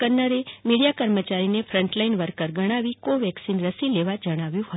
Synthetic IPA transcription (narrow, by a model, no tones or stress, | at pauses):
kənəɾemiɽijakəɾmət͡ʃaɾinefʰɾə̃ɳʈlainʋəɾkəɾɡəɽ̃aʋikoʋɛksinɾəsileʋad͡ʒəɽ̃aʋjũɦət̪